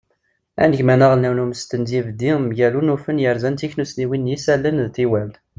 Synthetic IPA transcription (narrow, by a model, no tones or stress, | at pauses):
æ̰nəçmænəʁlnæwnuməst̪ənzivd̪iməʝælunufənjəɾzænt̪içnusniwinjisælːənðt̪iwæl